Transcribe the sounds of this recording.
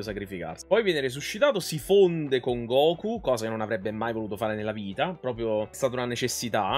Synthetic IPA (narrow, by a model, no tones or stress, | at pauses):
osakɾifika̰rsi̥pɔjvjɛːneɾiz̬uʃːit̪aːt̪osifond̪ekoŋɡɔːkukɔːzakenːonavɾɛbːemajvoluːt̪ofaːɾenelːaviːt̪apɾɔːpɾjoɛst̪aːt̪aunanet͡ʃesːit̪a